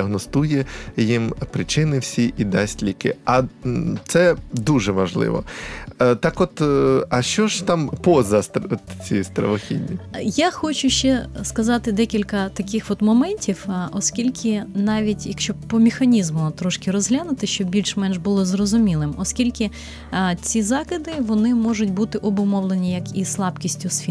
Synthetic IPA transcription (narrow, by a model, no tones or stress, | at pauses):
ɐɦnɔst̪ujɛjimpɾɪt͡ʃɪnɪwsʲiʔid̪ɑsʲtʲlʲikɪ̰ɐt̪sɛd̪uʒɛʋɐʒlˠɪ̰ʋɔ̰ | t̪ɑkɔt̪ɐʃt͡ʃɔʒt̪ɑmpɔzɐst̪t͡sʲist̪ɾɐ̰ʋɔxʲḭdʲnʲijaxɔt͡ʃʊʃt͡ʃɛskɐzɑt̪ɪd̪ɛkʲilʲkɐt̪ɐkʲɪxʋɔt̪mɔmɛnʲtʲiwɔskʲilʲkʰɪnɑʋʲitʲjɐkʃʲt͡ʃɔpɔmʲɪxɐnʲizmʊt̪ɾɔʃkɪɾɔzɦlʲanʊt̪ɪʃt͡ʃɔbbʲilʲʃmɛnʒbʊlˠɔzrɔzʊmʲilˠɪmɔskʲilʲkɪ | t͡sʲizɑkɪd̪ɪʋɔnɪmɔʒʊtʲbut̪ɪʔɔbʊmɔʋlˠenʲijɐkislˠɑpkʲisʲtʲʊsfʲi